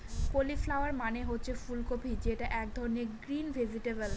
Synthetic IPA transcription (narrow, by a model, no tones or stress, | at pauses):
koliflawaɾmaneɦotːɕʰefulkopʰid͡ʑeʈaʔɛk̚d̪ʱɔɾoneɡɾinbʱeziʈebel